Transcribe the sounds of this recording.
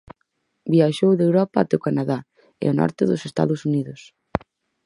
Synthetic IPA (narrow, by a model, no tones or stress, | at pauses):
biaʃowðewɾɔpaat̪ɛʊkanaða | ḛonɔ̰ɾt̪ɪðʊsest̪a̰ðʊsuniðʊs